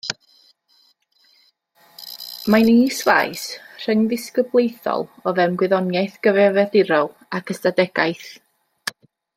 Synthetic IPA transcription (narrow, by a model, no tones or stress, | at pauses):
manisva̰jsr̥əŋðɪskəblˠejθɔ̰lˠɔðɛmɡwɪðɔnjajθɡ̥əvɛvɛðɪɾɔlˠ | akʰəstadɛɡ̥a̰jθ